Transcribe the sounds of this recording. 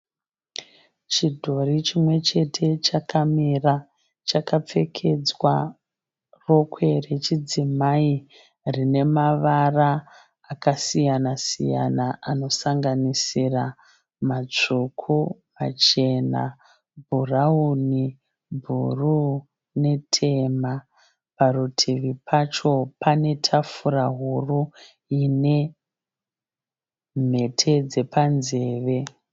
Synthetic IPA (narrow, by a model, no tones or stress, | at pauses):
t͡ʃidʱo̞rit͡ʃimwe̞t͡ʃe̞tʰe̞t͡ʃakamira | t͡ʃakap͡fe̞kʰe̞d͡zwa | ro̞kwe̞re̞t͡ʃid͡zimai | rine̞maʋaraː | kasijanasḭja̰naʔano̞saŋɡanisira | mat͡ʂukʰuma̰t͡ʃe̞na̰ | bʱurauni | bʱṵru | ne̞tʰe̞ma | parutʰiʋipʰat͡ʃo̞pʰane̞tʰafuraɦuru | ine̞ | m̤e̞tʰe̞d͡ze̞panze̞ːʋe̞